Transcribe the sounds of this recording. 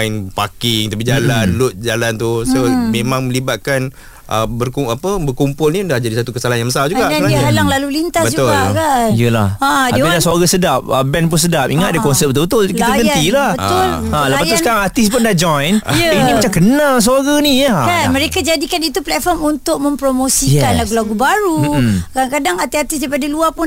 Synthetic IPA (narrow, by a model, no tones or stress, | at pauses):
npa̰kɪŋt̪apid͡ʒalanlʊt̪̚d͡ʒalant̪usomẽmãŋmə̃libat̪̚kan | ʔəbərkuapəbərkumpʊlnĩudahd͡ʒadisat̪ukəsalaɦanjãŋmbəsald͡ʒuɡaʔslaiɦalaŋlalulint̪asbəd͡ʒut̪ʊlakaijəlahadailahsoaɡasədap̚əbɛnp̬ʊns̬ədap̚iŋat̪̚dakɔnsɛp̚t̪ubət̪ʊlkit̪aɡənt̪ilahbət̪ʊl | ãlabaʊskaɾaŋat̪ispʊndad͡ʒɔjnənimat͡ʃakənãls̬aɡanijəkanməɾekad͡ʒadikanit̪uplɛt̪̚fɔmunt̪ʊʔ̚mə̃mpɾomosijɛkanlaɡulaɡubaɾukadaŋkadaŋat̪iat̪is̬daipadaluapʊn